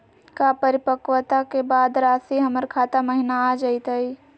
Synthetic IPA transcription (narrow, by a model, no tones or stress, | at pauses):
kapəɾɪpəkwət̪akebaːd̪ɾaːsiɦɐməɾkʰaːt̪amɐɦɪnaːd͡ʒait̪aiː